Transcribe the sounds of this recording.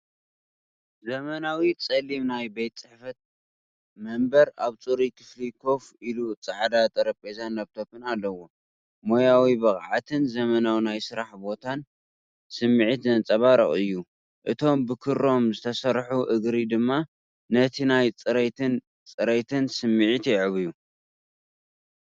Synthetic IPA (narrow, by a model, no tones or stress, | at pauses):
zɐmɐnawit͡sʼɐlimnajbejt̪̚ʼt͡sʼɨħfɐt̪̚ | mɐmbɐɾaβt͡sʼuɾikʰɨ̥flikʰo̞filut͡sʼɨʕad̪at̪ʼɐɾɐpʼezanːaβt̪ʰo̞pɨnalːɐwo | mo̞jawibɐχʼʕat̪ʰɨnzɐmɐnawinajsɨɾaħbo̞t̪ʰan | sɨmːiʕit̪zɐnt͡sʼɐβaɾɐχʼɨjːu | ʔɨt̪ʰo̞mbɨkʰɨɾːo̞mzɨt̪ʰɐsɐɾħuʔɨɡɾid̪ɨmːa | nɐt̪ʰinajt͡sʼɨɾet̪ɨn | t͡sʼɨɾet̪ʰɨnsɨmːiʕit̪jɛʕɨβiju